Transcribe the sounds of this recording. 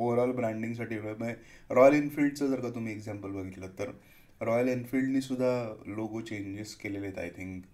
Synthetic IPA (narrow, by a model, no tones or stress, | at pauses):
oʋəɾəlbɾæ̃ɳɖiŋɡs̬aʈiːʋeɭəməeɾɔjəlinfilɖt͡səd͡zəɾkat̪um̤iːekd͡zæmpəlbəɡʱit̪lət̪əɾ | ɾɔjəlinfilɖniːsud̪ʱːaloɡot͡ɕẽɲd͡ʑiskelelet̪a̰jt̪ʰiŋk